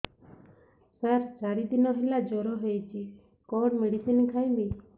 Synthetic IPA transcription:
saɾd͡ʒaɾid̪inɔɦelad͡ʒɔɾɔɦejt͡ʃʰi | kɔɽmeɽisinkʰajbi

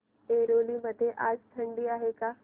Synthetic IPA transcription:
eːɾoːlimət̪eʔaːd͡ʒt̪ʰɐɳɖiaːɦekaː

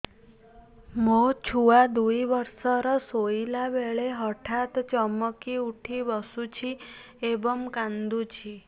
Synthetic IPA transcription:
mot͡ʃʰuad̪uiʋəɾsəɾɔsoilaʋeɭeɦəʈʰat̪t͡ʃəməkiuʈʰiʋəsut͡ʃʰi | ebəmkãnd̪ut͡ʃʰi

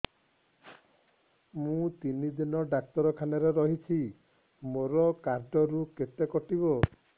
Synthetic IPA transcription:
mũt̪inid̪inɔɖak̚t̪ɔɾɔkʰanɔɾeɾɔɦit͡ʃʰi | moɾɔkaɾɖɔɾuket̪ekɔʈibɔ

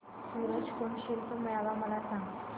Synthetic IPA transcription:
suːɾəd͡ʑkoɳɕelpəməjaʋaməlasaŋɡ̪

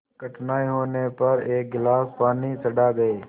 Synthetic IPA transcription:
kəʈnaːiɦoːnepɐɾeːk̚ɡɪlaːspaːnisəɖaːɡɐeː

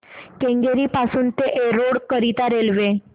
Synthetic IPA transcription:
kẽŋɡeɾiːpasuːnt̪eʔeɾoɽkəɾit̪aɾelʋe

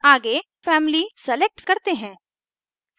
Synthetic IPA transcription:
aːɡe | fɛːmlisɛlek̚ʈkɐɾt̪eɦɛ̃ː

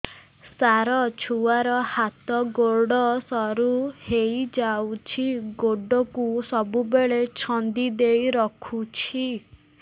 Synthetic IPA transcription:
saɾɔt͡ʃʰuaɾɔhat̪ɔɡoɽɔsɔɾuhejd͡ʒawt͡ʃʰiɡoɖɔkusɔbubeɭet͡ʃʰɔnd̪id̪ejɾɔkʰut͡ʃʰi

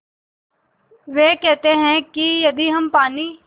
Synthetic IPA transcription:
ʋeːkɛːt̪eɦɛ̃kijɐd̪iːɦɐmpaːniː

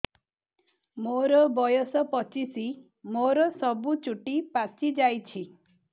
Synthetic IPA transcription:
moɾɔbɔjɔsɔpɔt͡ʃisi | moɾɔsɔbut͡ʃuʈipat͡ʃid͡ʒajt͡ʃʰi

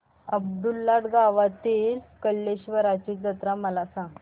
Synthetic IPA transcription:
əb̚d̪ulːaʈ̪ɡaʋat̪iːlkəlːeɕʋəɾat͡ɕid͡zət̪ɾaməlasãŋɡ

